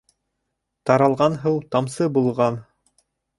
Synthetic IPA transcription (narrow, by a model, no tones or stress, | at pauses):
t̪ɑɾɑlˠʁɑnɦɤwt̪ɑmsɤbulˠʁɑn